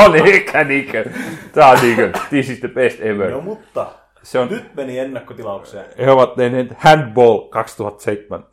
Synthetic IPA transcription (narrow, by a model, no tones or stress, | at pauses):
onekæniːkøt̪ɑːniːkød̪isisd̪əpest̪eʋørmut̪ːɑ | seonnyt̪menienːækːot̪ilɑukseheoʋɑt̪ːenent̪hænd̪boːlkɑkst̪uhɑt̪ːseit̪ːemæ̰n